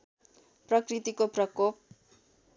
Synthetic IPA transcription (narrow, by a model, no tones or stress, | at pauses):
prʌkrit̪ikoprʌkop̚